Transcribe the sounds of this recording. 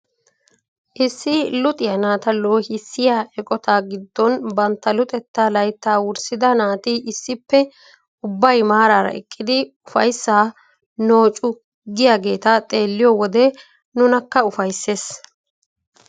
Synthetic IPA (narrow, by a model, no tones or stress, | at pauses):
ʔɪsːɪlʊt̪ʼɪjɐnaːt̪ɐloːhɪsːɪjaːʔɛkʼɔt̪aːɡɪd̪ːɔnbɐnt̪ːɐlʊt̪ʼɛt̪ːaːlɐjt̪ːaːwʊɾsɪd̪ɐnaːt̪ɪʔɪsːɪpːɛ | ʊbːɐjmaːɾaːɾɐ̰ʔɛkʼːɪd̪ɪʊfɐjsːaː | no̞ːt͡ʃʼʊ | ɡɪjaːɡe̞ːt̪ɐt̪ʼe̞ːlːɪjɔwɔd̪ɛ | nʊnɐkːɐʊfɐjsːe̞ːs